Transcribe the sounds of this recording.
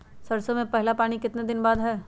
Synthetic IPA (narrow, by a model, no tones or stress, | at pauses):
sɐɾsomẽpɛɦlapaːɽ̃ikɪt̪ned̪ɪnbaːd̪ɦɛː